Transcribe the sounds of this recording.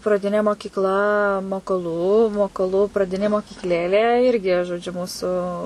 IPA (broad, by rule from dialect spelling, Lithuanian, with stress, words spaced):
prɐˈdʲɪnʲeː moːkʲiːkˈlˠɐ moːkoːˈlˠuː moːkoːˈlˠʊ prɐˈdʲɪnʲeː moːkʲiːkˈlʲeːlʲeː ˈɪrʲɡʲɪ ʒoːˈd͡ʒʲʊ ˈmuːsʊ